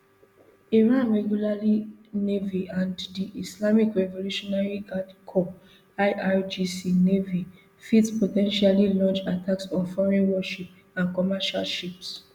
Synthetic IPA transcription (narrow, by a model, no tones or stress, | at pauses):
iɹãnɹɛɡjulalineviãnddiʔislamikɹɛvoluʃɔnaɹiɡadkʰɔ | aɪʔad͡ʒisinevi | fitspotɛ̃nʃalilɔ̃nt͡ʃatʰaksɔ̃nfɔɹĩnwɔʃip̚ | ãnkɔmaʃa̰lʃips